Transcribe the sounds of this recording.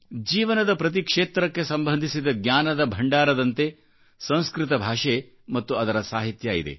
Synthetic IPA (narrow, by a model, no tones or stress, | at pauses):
d͡ʒiːʋɐnɐd̪ɐpɾɐt̪̬ikʂeːt̪ɾɐkːe̞sɐmbʱɐnd̪ʱisid̪ɐɡnɲaːnɐd̪ɐbʱɐɳɖaːɾɐd̪ɐnt̪e̞ | sɐ̃w̃skɾit̪̬ɐbʱaːʂe | mɐt̪ːuɐd̪ɐɾɐsaːɦit̪jɐḭd̪e̞̰